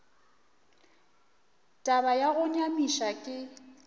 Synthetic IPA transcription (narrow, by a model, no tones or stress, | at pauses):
tʼaβajaɣʊɲamiʃakʼɪ